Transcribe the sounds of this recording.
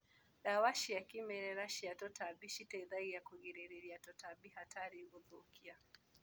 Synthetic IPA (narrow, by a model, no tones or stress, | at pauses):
ɗawaʃijakimɛɾɛɾaʃijatɔtabiʃitɛiðaijakuɡiɾɛɾiɾiatɔtabihatʰaɾiʔuðukʰia